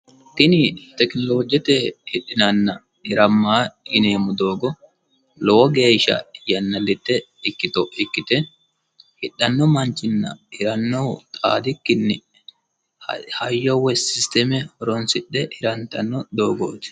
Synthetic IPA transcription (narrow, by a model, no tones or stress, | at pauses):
t̪ɪnɪt̪ɛknɔlo̞ːd͡ʒɛt̪ɛhɪɗɪnɐnːɐ | ɪɾɐmːaːɪneːmʊd̪o̞ːɡɔ | lɔwɔɡe̞ːʃɐ̰jɐnːɐlːɪt̪ːɛ | ɪkːɪt̪ɔʔɪkːɪt̪ɛ | hɪɗːɐnːɔmɐnt͡ʃːɪnːɐ̰ɪɾɐnːɔwt̪ʼa̰ːd̪ɪkːɪnːɪ | hɐjːɔwɛsɪst̪ɛmɛɔɾɔnsɪɗːɛʔɪɾɐnt̪ːɐnːɔd̪o̞ːɡo̰ːt̪ɪ̥